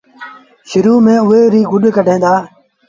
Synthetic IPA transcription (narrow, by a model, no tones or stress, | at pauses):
ʃʊɾuːmẽːʊɦeːɾiːɡʊɗkəɖʱẽːnd̪aː